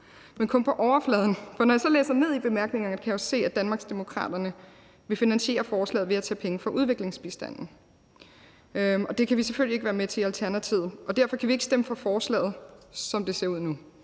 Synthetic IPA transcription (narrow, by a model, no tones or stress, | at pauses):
menkʰɔ̽npʰɒ̽ʔɒʊɐflɛːð̞ˠn̩fɒ̽nɒjasɒ̽lḛːsɐne̝ð̞̰ˠib̥e̝mæɐɡ̥ne̝ŋɐnəkʰæjɒ̽se̝̰ːæd̥ænmɑ̈ːɡ̥sd̥e̝mo̝kʰʁɑ̰̈ːd̥ɐnə | ʋe̝finænɕie̝̰ːɐfɒːslɛ̰ːð̩ˠʋe̝æt͡sʰɛ̰ːpʰeŋəfɒ̽ʔuð̞ˠʋe̝ɡ̥le̝ŋsb̥isd̥æn̰n̩ | ɒ̽d̥e̝kʰæʋiseføl̰ieɡəʋæːɐmet͡sʰe̝ælt͡sʰæɐnæt͡sʰið̰ˠɒ̽d̥æɐ̰fɒ̽kʰæʋie̝ɡ̥sd̥eməfɒ̽fɒːslɛ̰ːð̩ˠsɒ̽md̥e̝se̝ɐuð̰ˠnu